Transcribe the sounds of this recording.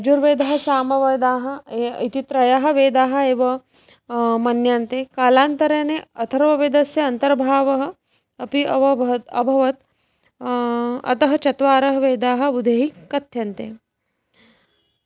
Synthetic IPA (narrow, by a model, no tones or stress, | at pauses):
ɐd͡ʒuɾʋeːd̪ɐɦɐ̆saːmɐʋɐd̪aːɦɐ̆eit̪it̪ɾɐjaɦɐ̆ʋeːd̪aːɦɐ̆eːʋɐ | mɐnjaːnt̪eːkaːlaːnt̪ɐɾeːneɐt̪ʰɐɾʋɐʋed̪ɐsjɐɐnt̪ɐɾbʱaːʋɐɦɐ̆ | ɐpiɐʋɐɐ̰bʱɐʋɐt̪ | ɐ̰t̪ɐɦɐt͡ʃɐt̪ʋaːɾɐɦɐʋeːd̪aːɦɐ̆ʋud̪ʱeːɦikɐt̪ʰjɐnt̪ḛː